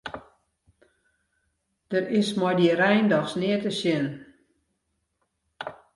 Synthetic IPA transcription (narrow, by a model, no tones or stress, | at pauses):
d̥əɾɪsmɔjdirɛjndɔxsnɪətəsjɪn